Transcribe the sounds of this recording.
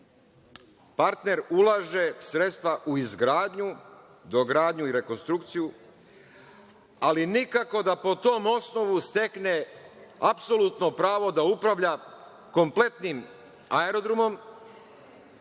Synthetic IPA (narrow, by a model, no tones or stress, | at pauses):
paɾt̪ne̞ɾulaʒe̞sɾe̞t̪st̪ʋaʔuizɡɾaːd̪ɲu | d̪o̞ɡɾaːd̪ɲuiɾe̞ko̞nst̪ɾukt̪siju | alinikako̞d̪apo̞t̪o̞ːmo̞sno̞ʋust̪e̞kne̞apso̞lut̪no̞pɾaːʋo̞d̪aupɾaʋʎa | ko̞mple̞t̪nim | aeɾo̞d̪ɾumo̞m